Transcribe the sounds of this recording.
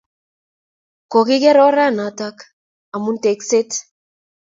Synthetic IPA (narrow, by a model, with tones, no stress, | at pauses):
kɔ˨ki˦kɛ˦ɾɔ˦ɾa˦˨na˨ta˦k | a˨mu˦nte˨kse˦t